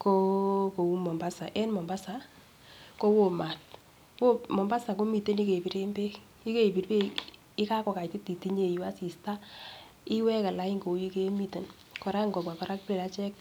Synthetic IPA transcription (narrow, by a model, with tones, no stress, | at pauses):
ko˦ko˨wu˦mɔ˨mba˦sa˨ʔɛ˦nmɔ˨mba˦sa˨ | ko˦wo˨ma˨t̚ | wo˦mɔ˨mba˦sa˨ko˦mi˨te˦ni˦ke˨pi˨ɾe˦mbe˦ | i˦ke˨pi˨ɾbe˦ | ɪ˦ka˦kɔ˨ka˨i˨ti˦ti˨ti˦ɲe˨ju˨a˦si˨sta˦ | ɪ˦wɛ˦ka˨la˨˦ɪ˦ŋɡo˨˦i˦ke˦mi˦te˨n | kɔ˨ɾa˦ŋɡɔ˨pa˨pa˨ɾa˦k̚pɾe˨ɾa˦t͡ʃɛ˦k̚